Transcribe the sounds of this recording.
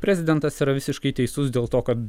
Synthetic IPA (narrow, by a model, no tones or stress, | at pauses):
pʲɾʲɛzʲɪd̪ʲɛnt̪ɐsiːɾɐʋʲɪsʲɪʃkɐɪt̪ʲɛɪsʊsd̪ʲeːlˠt̪oːkɐt̪